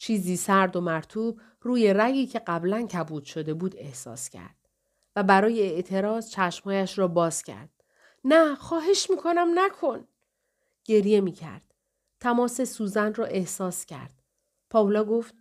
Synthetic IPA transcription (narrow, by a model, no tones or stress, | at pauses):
t͡ʃʰiːziːsæɾd̪o̞mæɾt̪ʰuːb | ruːje̞ɾæjiːcʰe̞ɢæblæncʰæbuːd̪̥ʃod̪e̞buːd̪e̞hsɒ̰ːscʰæ̰ɾd̪̥̚ | væbæɾɒːje̞eʔt̪ʰe̞ɾɒːzt͡ʃʰæʃm̥hɒːjæʃɾɒːbɒːz̥cʰæ̰ɾd̪̥̚ | næxɒːɦe̞ʃmiːkʰo̞næmnækʰo̞n | ɟ̥e̞ɾje̞miːcʰæ̰ɾd̪̥ | t̪ʰæmɒːse̞suːzænd̪rɒːʔe̞hsɒːscʰæ̰ɾd̪̥̚ | pʰɒːolɒːɡo̞ft̪̚